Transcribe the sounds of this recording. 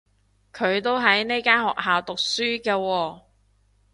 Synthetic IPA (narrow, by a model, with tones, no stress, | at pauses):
kʰɵ˨˧ɥt̪o˥wɦɐ˨˥jne˥kaː˥nɦɔ̰ː˨k̚ɦaː˨wt̪ʊ˨k̚syː˥kɛː˧wɔː˧